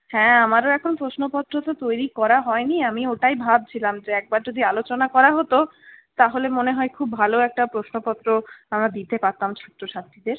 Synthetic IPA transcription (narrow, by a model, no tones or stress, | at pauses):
hɛ̃amaɾoɛkʰonpɾoʃnopɔt̪ːɾot̪ot̪ojɾikɔɾaɦɔeniamioʈajbʱab̚t͡ɕʰilamd͡ʑeɛk̚baɾd͡ʑod̪ʱialot͡ɕonakɔɾaɦot̪o | t̪aɦolemoneɦɔekʰubːʱaloɛk̚ʈapɾoʃnopɔt̪ːɾoamɾad̪it̪epat̪ːamt͡ɕʰɔt̪ːɾoʃast̪ʰːid̪eɾ